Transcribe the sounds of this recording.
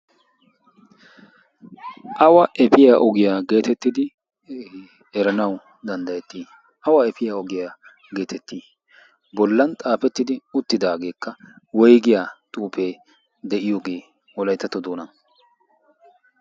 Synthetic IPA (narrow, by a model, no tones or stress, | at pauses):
ʔɐwɐʔɛpɪjaːʔɔɡɪjaːɡe̞ːt̪ɛt̪ːɪd̪ɪ | ɛɾɐnɐw | d̪ɐnd̪ɐjɛt̪ːiː | ʔɐwɐɛpɪjaːɔɡɪjaː | ɡe̞ːt̪ʰɛt̪ːiː | bɔlːɐnt̪ʼaːpɛt̪ːɪd̪ɪʊt̪ːɪd̪aːɡe̞ːkːɐwɔjɡɪjaːt̪ʼuːpe̞ː | d̪ɛʔɪjoːɡe̞ː | wɔlɐjt̪ːɐt̪ːɔd̪oːnɐn